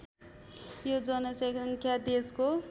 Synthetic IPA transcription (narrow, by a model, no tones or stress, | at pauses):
jod͡zʌnʌsʌŋkʰjad̪esko